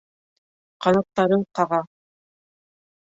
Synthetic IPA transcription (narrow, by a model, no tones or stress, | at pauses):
qɑnɑtt̪ːɑɾɤɴqɑʁɑ